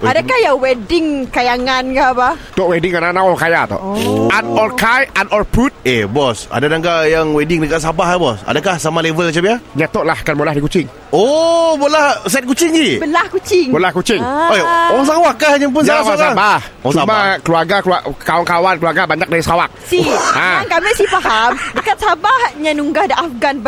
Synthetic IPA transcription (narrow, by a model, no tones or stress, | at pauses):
adakahjaŋwɛdɪŋkajaŋankabat̪ɔʔwɛdɪŋananaʔɔkajat̪ɔ̰ʔanɔlkajanɔlpɾut̪̚ebɔsa̰dadaŋɡajaŋwɛdɪŋdəkaʔs̬abaɦbɔsa̰dakahsamalevəlmat͡ʃamiaɲat̪oʔlahkanmolahdikut͡ʃɪŋ | obolahs̬ɛt̪̚kut͡ʃɪŋd͡ʒibəlahkut͡ʃɪŋmolahkut͡ʃɪŋooɾaŋs̬awakːahd͡ʒaŋp̬ʊnsaasasabah | smakəluarɡakuaʔkawankawankəluaɾɡabaɲak̚daɾisawak̚siãankaməsipaɦamdəkat̪̚sabahɲãnuŋɡahdəʔafɡanb